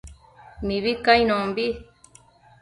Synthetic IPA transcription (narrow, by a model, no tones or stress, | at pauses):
mĩβikaĩñõmbi